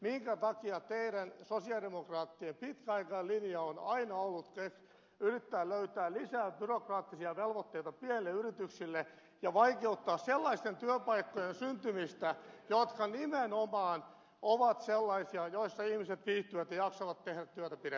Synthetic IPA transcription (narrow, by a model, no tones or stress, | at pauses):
miŋkæt̪ɑkiɑt̪eiɾænsosiɑdemokrɑːt̪ːiempit̪kæɑikɑːlinjɑonɑinɑolːut̪kes | yrit̪ːæːløyt̪æːllisæːbyrokrɑːt̪ːisiɑʋelʋot̪ːeit̪ɑpienelːeyrit̪yksilːe | jɑʋɑikeut̪ːɑːsselːɑist̪ent̪yøpɑikːojensynt̪ymist̪æjot̪kɑnimenomɑːn | ʔoʋɑt̪selːɑisiɑjoisːɑihmiset̪ʋiːht̪ːyʋæt̪jɑjɑksɑʋɑt̪tehɾæt̪t̪yøt̪æpiɾe